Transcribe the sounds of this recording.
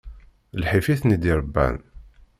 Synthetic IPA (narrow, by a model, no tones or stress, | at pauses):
lħifiθnid̪iɾˤəbːæ̰n